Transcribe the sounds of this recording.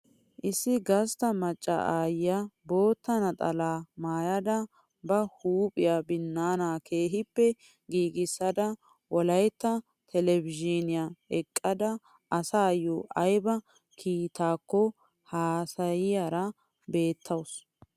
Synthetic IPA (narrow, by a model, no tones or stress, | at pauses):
ʔɪsːɪɡɐst̪ɐmɐt͡ʃʼːɐ̰ʔaːjɪjabo̞ːt̪ːɐnɐt̪ʼɐlaːmaːjɐd̪ɐ | bɐhuːpʼɪjabɪnːaːnaːkʰeːɦɪpːɛ | ɡiːɡɪsːɐd̪ɐ | wɔlɐjt̪ːɐ | t̪ʰɛlɛvɪd͡ʒɪnɪjaɛkʼːɐd̪ɐ | ɐsaːjoʔɐjbɐ | kʰiːt̪aːkːɔ | haːsɐjɪjaɾɐ | be̞ːt̪ʰːɐws